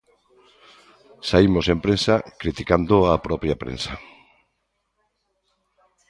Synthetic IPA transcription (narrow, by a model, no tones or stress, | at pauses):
saimosempɾẽnsakɾit̪ikand̪oapɾɔpɾjapɾḛnsa